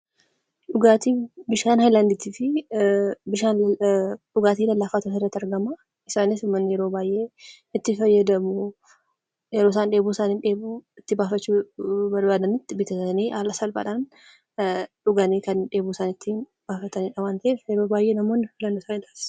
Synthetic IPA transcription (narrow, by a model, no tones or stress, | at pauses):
ᶑʊɡaːt̪ibɪʃaːnhajlaːnd̪ɪt̪iːfɪ | bɪʃaːn | ᶑʊɡaːt̪iːlɐlːaːfaːt̪ot̪ɐɪrːɐt̪ːɐɾɡɐmɐ | ɪsaːnɪsmːɐnːjɛɾo̞ːbaːjʔe̞ː | ɪt̪ːɪfɐjːɐd̪ɐmʊ | jɛɾoːsaːnᶑe̞ːbusaːnɪnᶑe̞ːbuɪt̪ːɪbaːfɐt͡ʃːuːbɐɾbaːd̪ɐnɪt̪ːɪbɪt̪ɐt̪niːʔaːlɐsɐlbɐ̰ᶑan | ᶑʊɡɐniːkɐnɪnᶑeːbusaːnɪt̪ːɪ | b̥aːfɐt̪ɐniːᶑɐmaːnt̪ɐʔeːfjɛɾo̞ːbaːjʔe̞ːnɐmo̞ːnːɪfɪlɐnːosaːnɪᶑ̪aːs